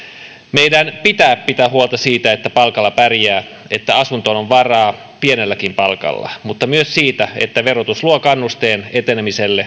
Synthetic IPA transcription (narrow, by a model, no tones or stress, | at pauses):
mejdænpit̪æːppit̪æhuolt̪ɑsiːt̪æet̪ːæpɑlkɑlːɑpærjæː | et̪ːæɑsunt̪onoʋʋɑrɑː | pienelːækimpɑlkɑ̰lːɑ̰mut̪ːɑmyøssiːt̪æet̪ːæʋerot̪usluokɑnːust̪eːne̞t̪enemiselːe